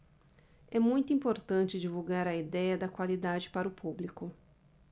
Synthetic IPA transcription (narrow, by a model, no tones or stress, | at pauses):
ɛmũj̃t̪ʊĩmpoɾt̪ɐ̃nt͡ʃɪd͡ʒivuɡaɾɐid̪ɛjɐd̪ɐkwalid̪ad͡ʒɪpaɾʊpublikʊ